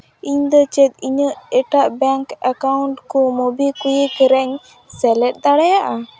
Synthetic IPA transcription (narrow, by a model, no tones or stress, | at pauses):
iɲd̪ɔt͡ʃɛt̪̚iɲəʔɛʈaʔbɛŋkakawɳʈkɔmobikujəkɛɾɛɲ | sɛlɛʈ̚d̪aɽɛjaʔa